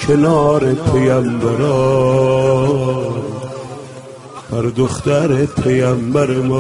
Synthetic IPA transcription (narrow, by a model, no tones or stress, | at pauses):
kʰenɒːɾepʰejæmbæɾɔ | bæɾd̪oχt̪æɾepʰejæmbæɾemɔː